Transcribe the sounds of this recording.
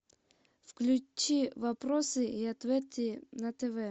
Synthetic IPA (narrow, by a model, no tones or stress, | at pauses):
fklʲʉt͡ɕːivɐpɾosɨiɐt̪vʲet̪ʲɪnɐt̪ɛvɛ